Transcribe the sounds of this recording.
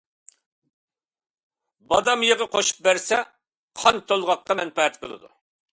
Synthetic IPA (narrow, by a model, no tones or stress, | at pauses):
bɑd̪ɑmjəʁəqʰoʃu̥p̚bæɾsɛ | qʰɑnt̪ʰolˠʁɑq̚qɑmɛnpɑɛt̪̚qʰəlˠɨ̰d̪ṵ